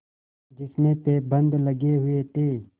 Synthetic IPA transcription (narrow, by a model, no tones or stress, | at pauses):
d͡ʒɪsmẽpeːbə̃nd̪ləɡeɦʊet̪ʰeː